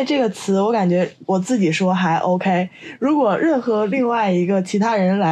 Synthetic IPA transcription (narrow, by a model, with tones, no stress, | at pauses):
ɪʈ͡ʂɤ˥˩ɡə˩t͡sʰɹ̩˧˥wɔ˧˥ka˨˩nt͡ɕɥɛ˧˥wɔ˨˩t͡sɹ̩˥˩t͡ɕi˨˩ʂwɔ˥xa˧˥ɪʔo˥ʊkʰe˥ɪɻu˧˥kwɔ˨˩ɻə˥˩nxɤ˧˥li˥˧ŋwa˥˩ɪi˧˥ɡə˧t͡ɕʰi˧˥t̪ʰa˥ɻə˧˥nla˧˥